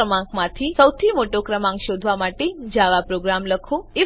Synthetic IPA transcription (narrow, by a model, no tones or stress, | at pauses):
əmãkmãt̪ʰisəwt̪ʰimoʈokɾəmãŋkʃod̪ʱʋamaʈed͡ʒaʋapɾoɡɾamləkʰoɪ